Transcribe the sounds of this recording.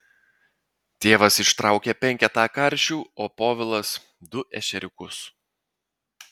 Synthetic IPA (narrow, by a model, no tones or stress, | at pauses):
t̪ʲeːʋɐsɪʃt̪ɾɑˑʊkʲɛpʲɛŋʲkʲɛt̪ɑːkɐɾʲˑʃʲuːoːpoːʋʲɪlˠɐs | d̪ʊʔɛ̰ʃʲɛɾʲɪkʊs